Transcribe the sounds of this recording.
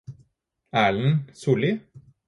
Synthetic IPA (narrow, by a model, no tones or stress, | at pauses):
æːɭn̩suːlɪ